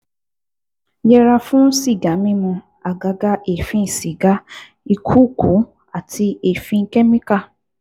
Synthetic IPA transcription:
jɛ˧ɾa˧fũ˦si˦˨ɡa˨˦mĩ˦mũ˧ | a˨ɡa˨ɡa˧ʔe˨fĩ˨˦˨si˨ɡa˦ | i˧kʰu˦˨ku˨˦ | a˦˨tʰi˧e˦˨fĩ˧ŋ̩˦kɛ˦mĩ˦ka˦˨

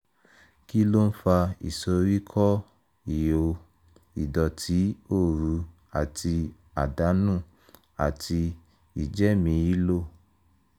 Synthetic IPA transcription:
ki˦lo˦n̩˦fa˧ḭ˨so˧ɾi˦kʰɔ˦ | i˨jo˨ | i˨dɔ˨tʰi˨˦o˦˨ɾu˧ | a˨ti˧ | a˨da˨˦nũ˦˨ | a˨tʰi˧ | i˨d͡ʒɛ˦mĩ˧ji˦lo˦˨

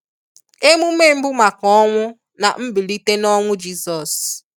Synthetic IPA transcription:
e˦mu˦m˦e˦˨m̩˦bʊ˦ma˨kɔ˦ŋʷʊ˦ | na̰˨m̩˦bi˨li˦te˦nɔ˦ŋʷʊ˦d͡ʒi˦sɔ˨s

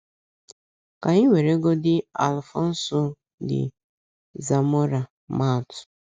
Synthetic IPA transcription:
ka˨ɲi˦wʷe˨ɾe˦ɡo˦dɪ˦a˨lfɔ˦n̩˦sɔ˦ | dɪ̰˨ | za˨mo˦ɾa˨ | ma˦˨tʊ̥˨

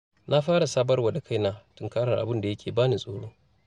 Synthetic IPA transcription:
nʔa˦ɸaː˦ɽa˨saː˦bɐ˦rwɐ˨ɗa˨kʰa˦jnaː˨tʊ˨ŋkaː˦ɽɐ˨ʔa̰˨bʊ˦nda˨jɐ˦kʲʰeː˨baː˦ni˨sʼoː˨ɽoː˦

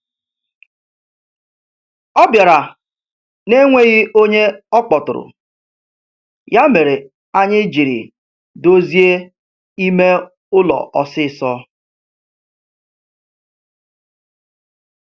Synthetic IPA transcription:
ɔ˦bja˨ɾa˨ | ne˦ŋʷe˦ɣɪ˦o˦ɲe˦ɔ˦k͡pɔ˨tʊ̰˨ɾʊ̰˨ | ja˦me˨ɾe˨ | a˦ɲɪ˦d͡ʒi˨ɾḭ˨ | do˦zi˦e˦ | i˦me˦ | ʊ˦lɔ̰˨ʔɔ˨sɪ˦˨sɔ˦

